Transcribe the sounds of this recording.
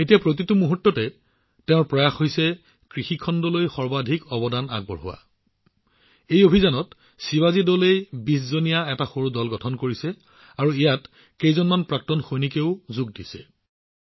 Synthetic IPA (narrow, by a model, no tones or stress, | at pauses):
etijapɹot̬itumuɦutːɔtɛ | tɛʊ̃ɹpɹɔjaxhojsɛ | kɹixikʰɔndɔlojxɔɹbadʱikɔbɔdana̰ɡ̚bɔ̰ɹɦʊ̰wa̰ | ejobʱizanɔt | siwazidɔlejbis̬zonijaɛtaxoɹudɔlɡɔtʰɔnkoɹisɛ | aɹuijat | kejzɔnmanpɹak̚tɔnxojnikeʊzuɡ̚disɛ̥̰